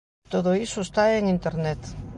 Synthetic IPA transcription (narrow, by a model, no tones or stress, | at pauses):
t̪oð̞oisuest̪aeŋint̪eɾnet̪